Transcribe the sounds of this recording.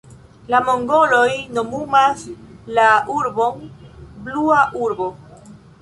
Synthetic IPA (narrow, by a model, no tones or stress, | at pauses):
lamoŋɡo̞lo̞jno̞mumaslauɾbo̞nbluaʔuɾbo̞